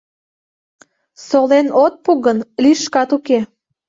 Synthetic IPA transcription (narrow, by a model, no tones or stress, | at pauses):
solenot̪̚puɣənliʃkɑt̪uke